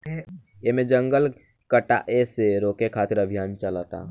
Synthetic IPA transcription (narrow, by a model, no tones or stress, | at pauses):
emẽd͡ʒəŋɡəl | kəʈa̰ʔeseɾoːkekʰaːt̪iɾəbʱijaːnt͡ʃələt̪a̰